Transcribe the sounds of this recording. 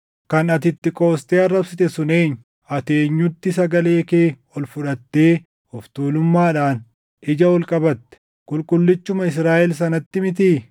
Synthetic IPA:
kɐnɐt̪ɪt̪ːɪkʼo̞ːst̪ʼeːɐrːɐbsɪt̪ɛsʊne̞ːɲː | ɐt̪e̞ːɲːʊt̪ːɪsɐɡɐle̞ːkeː | ɔlfʊᶑɐt̪ːeː | ɔft̪uːlʊmːaːᶑaːn | ʔɪd͡ʒɐɔlkʼɐbɐt̪ːɛ̥ | kʼʊlkʼʊlːɪt͡ʃːʊmɐɪs̬ɾaːʔɛls̬ɐnɐt̪ːɪmɪt̪̬iː

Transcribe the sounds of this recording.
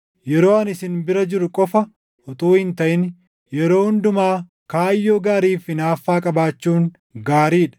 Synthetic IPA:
jɛɾo̞ːɐnɪsɪnbɪɾɐd͡ʒɪɾʊkʼɔfɐ | ʔɔt̪uːhɪnt̪ɐʔɪn | jɛɾo̞ːhʊnd̪ʊmaː | kaːjːoːɡaːɾiːfɪnaːfːaːkʼɐbaːt͡ʃːuːŋ | ɡaːɾiːᶑɐ̥

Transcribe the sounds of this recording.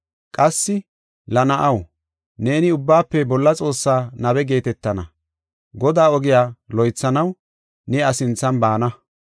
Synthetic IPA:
kʼɐsːɪ | lɐnɐʔɐw | ne̞ːnɪʊbːaːpːɛbɔlːɐt͡sʼo̞ːsːaːnɐbɛɡe̞ːt̪ɛt̪ːɐnɐ̰ | ɡɔd̪aːɔɡɪjaːlɔjt͡sːɐnɐw | nɛɐsɪnt͡sːɐnbaːnɐ

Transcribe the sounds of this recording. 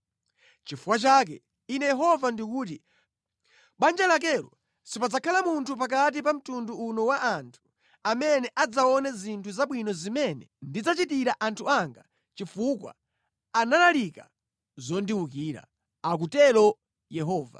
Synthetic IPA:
t͡ʃifukwat͡ʃak̬ɛ | inɛjɛɦɔvandikuːt̬i | ɓand͡ʒɛlak̬ɛlɔ̰ | sipad͡zakʰalamuntʰup̬ak̬at̬ipam̩tunduːnɔwaʔantʰu̥ | amɛnɛʔad͡zaɔnɛzintʰuzaɓwinɔzimɛnɛndid͡zat͡ʃitiɾaʔantʰuaŋɡa | t͡ʃifukwa̰ | analalika | zɔndiukiːɾa̰ | ak̬utɛlɔ | jɛɦɔːva̰

